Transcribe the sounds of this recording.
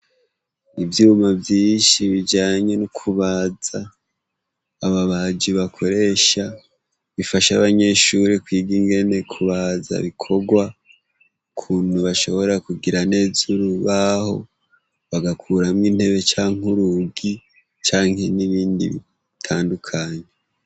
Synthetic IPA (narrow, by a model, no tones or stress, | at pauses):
ivjuːmavjiːʃiβid͡ʒaːɲe̞nukʰuβaza | βaβad͡ʒiβakʰo̞ɾe̞ʃa | βifaʃaβaɲe̞ʃuɾekwiːɡiŋɡe̞ne̞kʰuβaza̰βikʰo̞ɡwa | ukʰuːn̥uβaʃo̞βo̞ɾeɾakuɡiɾane̞ːzuɾuβaho̞ | βaɡakʰuːɾamŋiːn̥he̞βe̞t͡ʃaːŋuɾuɡi | t͡ʃaːŋ̥he̞niβiːndḭβḭ | tʰaːndukʰaɲe